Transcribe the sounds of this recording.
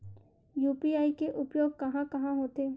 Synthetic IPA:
juːpiaːikeʔʊpjoːɡ̚kɐɦãkɐɦãɦoːt̪eː

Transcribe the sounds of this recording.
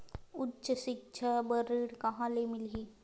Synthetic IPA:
utːt͡ʃəʃɪk̚t͡ʃʰabəɾiɽkɐɦãːlemɪlɦiː

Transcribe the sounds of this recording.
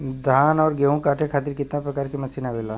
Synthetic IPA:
d̪ʱaːnɔːɾɡeːɦũkaːʈʰekʰaːt̪ɪɾkɪt̪napɾɐkaːɾkemɐsiːnabelaː

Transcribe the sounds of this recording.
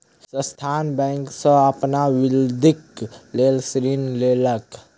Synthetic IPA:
sə̃st̪ʰaːnbɛ̃ːŋksə̃əpnaʋɪld̪ʱikleːlsɾinleːlək

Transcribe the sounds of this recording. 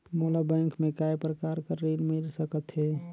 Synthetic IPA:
molabɛ̃ŋkmẽkajpɾəkaɾkəɾːinmilsəkət̪ɦɛ

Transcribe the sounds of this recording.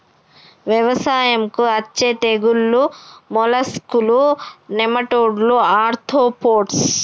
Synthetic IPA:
ʋjɐʋɐsaːjɐmkuɐt͡ʃːet̪eɡulːumɔlɐskulunemɐʈoːɖluaːɾt̪ʰoːpoːʈs

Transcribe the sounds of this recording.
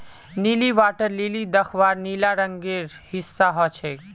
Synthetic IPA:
niliʋaːʈəɾliːlid̪əxʰʋaːɾniːlaɾəŋɡeːɾhɪsːaɦɔt͡ʃʰeː

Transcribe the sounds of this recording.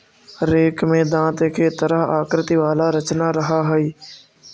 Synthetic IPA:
ɾeːkmẽːd̪ãːt̪ekʰeːt̪əɾəɦaːkɾɪt̪iːʋaːlaːɾət͡ʃnaːɾəɦaːɦəiː

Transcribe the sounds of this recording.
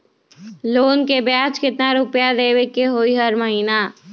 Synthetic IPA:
loːnkebjaːt͡ʃkɪt̪naɾʊpjad̪eːʋɪkːeɦoːiɦəɾməɦiːnaː

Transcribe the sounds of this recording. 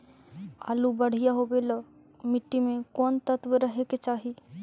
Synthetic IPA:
a̰ːlubɐɽ̤ijaɦobelɔː | mɪʈːimẽkɔːnt̪ət̪ʋəɾəɦeket͡ʃaːɦi

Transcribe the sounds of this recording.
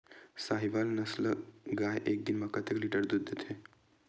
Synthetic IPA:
saːɦiʋaːlnɐsləɡaːjʔeːk̚d̪ɪnmãkɐt̪ʰekliːʈəɾd̪ud̪ːet̪ʰe

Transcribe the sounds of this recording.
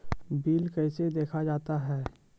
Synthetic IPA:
biːlkɛɪsed̪eːkʰad͡ʒaːt̪aɦɛː

